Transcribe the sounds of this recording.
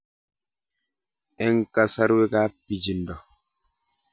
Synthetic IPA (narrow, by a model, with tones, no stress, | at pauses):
ɛ˦ŋ˦ka˨sa˦ɾwe˦ka˦pi˨d͡ʒi˨n˨dɔ˨